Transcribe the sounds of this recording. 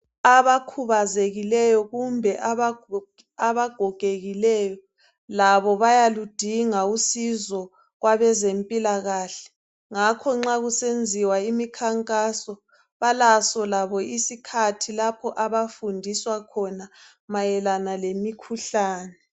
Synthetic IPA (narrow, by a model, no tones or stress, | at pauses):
aβakʰuβazeɣilɛjɔɣumbʱɛʔa | aβaɡ̥ʱɔɡ̥ʱeɣilɛːjɔ | laβɔβajalud̥ʱiŋausizɔ | ɣwaβɛzempʼilaɣaːɬɛ̥ | ŋakʰɔŋ͡ǁaɣusend͡zʱiwaimikʰaŋkʼasɔ | βalasɔlaβɔisikʰatʰilapʰɔʔaβafundʱiswakʰɔna | majɛlanalemikʰuɬaːnɛ